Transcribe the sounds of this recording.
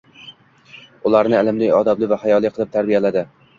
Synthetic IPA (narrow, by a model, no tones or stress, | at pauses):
ʊlˠaɾnɪɪlɪmlɪjɒd̪ablɪvahajɒlˠijqʰɨlˠɪp̚t̪ʰaɾbijalad̪ɪ